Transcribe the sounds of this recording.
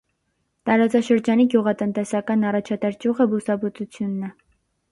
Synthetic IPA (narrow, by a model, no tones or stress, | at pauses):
t̪ɑɾɑt͡sɑʃəɾd͡ʒɑniɡjuʁɑt̪ənt̪ɛsɑkɑnɑrɑt͡ʃʰɑt̪ɑɾd͡ʒuʁəbusɑbut͡sut͡sʰjunːɛ